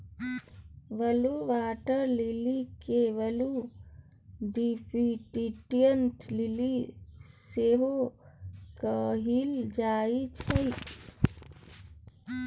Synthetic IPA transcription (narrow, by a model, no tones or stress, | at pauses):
ʋəluʋaʈəɾlilikeʋəlu | ɖipiʈiʈijənʈliliseɦo | kəɦild͡ʒait͡ʃʰəj